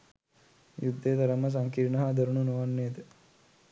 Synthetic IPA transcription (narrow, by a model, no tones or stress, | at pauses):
jud̪ːeːt̪ɐɾəmɐs̬ɐŋkiɾnɐɦad̪ɐɾuɳunuʋanːeːd̪ə